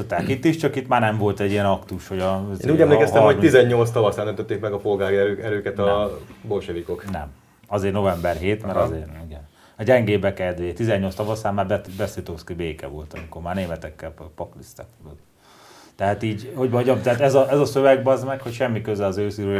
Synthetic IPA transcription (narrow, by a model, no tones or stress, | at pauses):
ot̪ːaːkit̪ːiʃt͡ʃɒkit̪maːrnɛɱvo̞lt̪ɛɟːiɛnɒkt̪uʃho̞ɟɒḛːnuːɟɛmleːkɛst̪ɛmhomt̪izɛɲːo̞lt̪s̬t̪ɒvɒsaːnønt̪øt̪ːeːkmɛɡɒpo̞lɡaːɾiɛɾøːkɛt̪ɒbolʃɛvikoknɛ̰m | ɒzeːrno̞vɛmbɛrɦeːt̪mɛɾɒzeːriɡɛn | ɒɟɛŋɡeːbɛkɛd̪ʋet̪izɛɲːo̞ltst̪ɒvɒsaːmːaːbɛbɛsit̪oːskibeːkɛ̰vo̞̰lt̪ɒmiko̞rmaːrneːmɛt̪ɛkːɛlpɒklist̪a̰kod̪ot̪ː | t̪ɛɦaːt̪iːɟho̞ɟbɒɟɒt̪ɛat̪ɛzɒʔɛzɒsøvɛɡbɒzmɛkho̞cʃɛmːikøzɛɒzøːsyɾøː